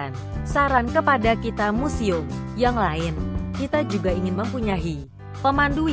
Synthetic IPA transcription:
n | saɾankəpadakit̪amusiʊmjaŋlaɪnkit̪ad͡ʒuɡaiŋɪnməmpuɲaɦi | pəmandu

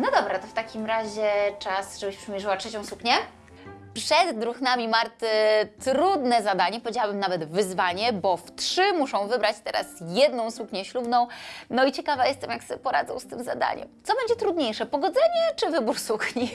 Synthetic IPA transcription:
nɔd̪ɔbɾat̪ɔft̪akʲimɾaʑɛt͡ʂasʐɛbɘɕpʂɛmʲjɛʐɘwatʂɛt͡ɕɔ̃w̃sukɲɛ | pʂɛd̪ːɾuxnamʲimaɾt̪ɪt̪ɾud̪nɛzad̪aɲɛpɔvʲjed͡ʑawabɘmnavɛd̪vɘzvaɲɛbɔft̪ʂɘmuʂɔ̃w̃vɘbɾat͡ɕt̪ɛɾa̰sjɛd̪nɔ̃w̃sukɲɛɕlubnɔ̃w̃nɔit͡ɕɛkavajɛst̪ɛmjaksɛpɔɾa̰d̪zɔ̰̃w̃st̪ɘmza̰d̪a̰ɲɛ̰mt̪sɔbɛɲd͡ʑɛt̪ɾud̪ɲejʂɛpɔɡɔd̪zɛɲɛt͡ʂɘvɘbuɾsukɲi

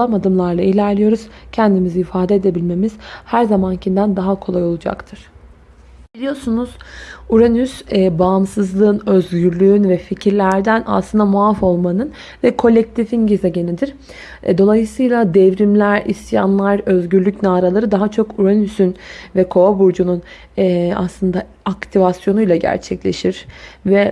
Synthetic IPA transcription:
amad̪ɯmlˠaɾlˠailʲæɾlʲijo̞ɾuz̥cʰɛnd̪imizɛːfaːd̪ed̪e̞bilʲme̞miz̥hæɾzamancʰind̪ænd̪aɦakʰo̞lˠajo̞lˠud͡ʒa̰kt̪ʰɯɾ̥ | b̥ilʲijo̞ɾsunuz̥uɾanysɛbaːmsɯzlˠɯːnø̞zɟyɾlʲyːynvɛficʰiɾlʲæɾd̪æna̰slˠɯnd̪amuafo̞lˠmanɯn | vɛkʰo̞lʲɛc̚t̪ʰifinɟizɛɟe̞nid̪iɾ̥̰ | d̪o̞lˠajɯsɯjlˠad̪ɛvɾimlʲæɾisja̰nlˠaɾø̞zɟyɾlʲycnaːɾalˠaɾɯd̪aɦat͡ʃʰo̞kuɾanysynvɛkʰo̞abuɾd͡ʒunun | ɛa̰slˠɯnd̪a | akt̪ʰivasjo̞nujlˠaɟæ̰ɾt͡ʃʰɛclʲeʃiɾ̥vɛ

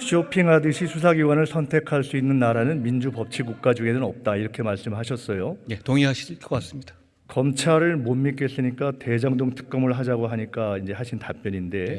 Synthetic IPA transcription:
ɕʰopʰiŋɦadɯɕʰisʰus̬ʰaɡiɡwanɯɭsʰʌntʰe̞kʰaɭs͈uinːɯnːaɾanɯnmind͡ʑupʌp̚t͡ɕʰiɡuk̚k͈ad͡ʑuɡe̞nɯnʌp̚t͈aiɾʌkʰe̞maɭs͈ɯmɯɭɦaɕʰʌs͈ʌjojetoŋiɦaɕʰikkʌk͈as͈ɯmɲid̥ḁ | kʌmt͡ɕʰaɾɯɭmomːik͈es͈ɯɲik͈ate̞d͡ʑʌŋdoŋtʰɯ̥k̚k͈ʌmɯɭɦad͡ʑaɡoɦaɲik͈aind͡ʑe̞ɦaɕʰintap͈jʌɲinde̞

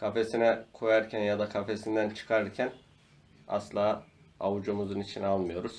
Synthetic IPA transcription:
kʰafe̞sinɛkʰo̞jaɾcʰænjad̪akʰafe̞sind̪ænt͡ʃʰɯ̥kʰaɾɾcʰæn | a̰slˠaː | awud͡ʒumuzunit͡ʃʰinalˠmɯjo̞ɾuz̥

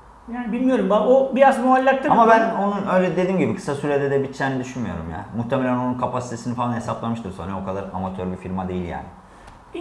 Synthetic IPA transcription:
jaːnibilʲmijo̞ɾumbaobijazmoalʲːak̚t̪ʰːɯamabæno̞nunø̞jlʲɛd̪e̞d̪iːmɟibikʰɯ̥sasyɾed̪ɛd̪ɛbit̪t͡ʃʰːæːnɛd̪yʃynmijo̞̰ɾṵmja̰ːmuht̪ʰemelʲæno̞nunkʰapʰasi̥t̪ʰe̞sinifalˠanɦe̞saplˠamɯʃt̪ʰɯɾsonɾɛokʰad̪aɾa̰mat̪ʰøɾbifiɾmad̪e̞jilʲja̰ːnɪ

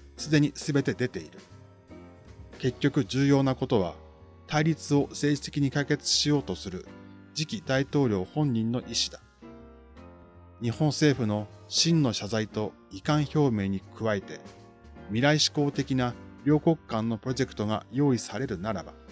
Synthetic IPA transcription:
sɨd̪e̞ɲ̟isɨbe̞t̪e̞d̪e̞t̪e̞iɾɯ̟ | ke̞kʲːo̞kɯ̟d͡ʑɨːjo̞ːnako̞t̪o̞β̞a | t̪aiɾʲit͡sɨo̞se̞ːʑi̥t̪e̞kʲiɲ̟ikaike̞t͡sɨ̥ɕijo̞ːt̪o̞sɨɾɯ̟ | d͡ʑikʲid̪ait̪o̞ːɾʲo̞ːhõ̞ɲ̟ːĩnːo̞ʔiɕi̥d̪ḁ | ɲ̟ihõ̞ɰ̃se̞ːɸɯ̟no̞ɕĩnːo̞ɕazait̪o̞ | ikãɰ̃ço̞ːme̞ːɲ̟ikʰɯ̟βait̪e̞ | mʲiɾaiɕi̥ko̞ːt̪e̞kʲinaɾʲo̞ːko̞kkːãnːo̞pɯ̟ɾo̞ʑe̞kɯ̟̥t̪o̞ɡa̰jo̞ːisaɾe̞ɾɯ̟naɾa̰ba̰

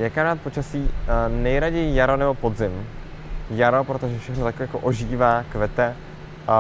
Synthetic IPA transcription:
jɛkanaːt̪̚po̞t͡ʃasiːnɛjɾaɟɛjijaɾo̞nɛbo̞po̞d̪zɪm | jaɾopɾo̞t̪oʒɛfʃɛxnot̪akːjakoʔoʒiːvaːkvɛt̪ɛ

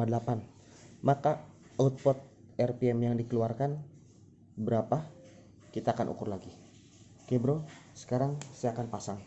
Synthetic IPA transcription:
adəlapan | maka | aʊt̪̚pɔt̪̚ɛrpiɛmjaŋdikəluarkan | bəɾapa | kit̪aːkanʔṵkʊrlaɡi | kebɾosə̥kaɾaŋsəakanpasaŋ

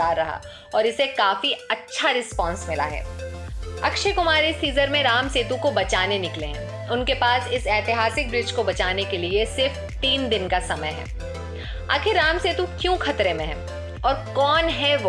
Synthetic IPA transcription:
aːɾːɐɦa̰ | ɔːɾɪsekaːfiɐtːʃʰaɾɪspɔ̃ːnsmɪla̰ɦɛ̰ː | ɐkʃekʊmaːɾisiːzəɾmẽɾaːmseːt̪ũkobɐt͡ʃaːnenɪklẽɦɛ̰̃ | ʊnkepaːsɪsɛːt̪ɪɦaːsɪk̚bɾɪd͡ʒkobɐt͡ʃaːnekeliesɪɾf | t̪iːnd̪ɪnkasɐməjɦɛ̰ː | a̰ːkʰɪɾːaːmseːt̪ũkjũːxɐt̪ɾemẽɦɛ̰̃ː | ɔːɾkɔːnɦɛʋoː

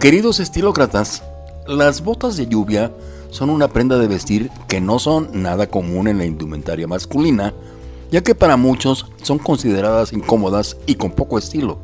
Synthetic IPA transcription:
ke̞ɾiðo̞se̞st̪ilo̞kɾat̪as | lazβo̞t̪azðe̞ʝuβja | so̞nunapɾe̞nd̪aðe̞βe̞st̪iɾke̞no̞so̞nːað̞ako̞mũne̞nlaind̪umẽ̞̰nt̪aɾjamaskulina | ʝake̞paɾamut͡ʃo̞sːo̞ŋko̞nsið̞e̞ɾaðasiŋko̞mo̞ðasiko̞mpo̞koe̞st̪ilo̞̰

